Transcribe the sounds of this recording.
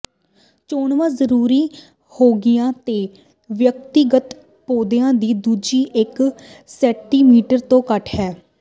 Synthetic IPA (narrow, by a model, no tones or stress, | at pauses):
t͡ʃoːɳʋãːzəɾuːɾiː | hoːɡɪjãːt̪eː | ʋjək̚t̪ɪɡət̪ | poːd̪ejãːd̪iːd̪uːd͡ʒiːʔɪksɛːʈiːmiːʈəɾt̪õːkəʈʰɦɛː